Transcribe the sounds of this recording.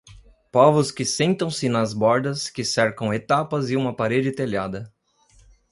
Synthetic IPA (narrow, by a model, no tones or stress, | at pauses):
pɔvʊskɪsẽnt̪ɐ̃w̃sɪnɐzbɔɾd̪ɐskɪsɛɾkɐ̃w̃et̪apɐzɪũmɐpaɾed͡ʒɪt̪eʎad̪ɐ